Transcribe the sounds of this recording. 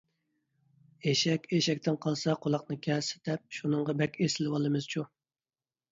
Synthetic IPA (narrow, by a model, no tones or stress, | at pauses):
eʃɛkʲeʃɛk̚ʲt̪ʰɪnqʰɑlˠsɑqʰolˠɑqnɨkʲʰɛsɪ̥d̪̥ɛp̚ʃunɨŋʁɑbɛkʲʰesɪlɪwɑlˠɨmɨz̥t͡ʃʰu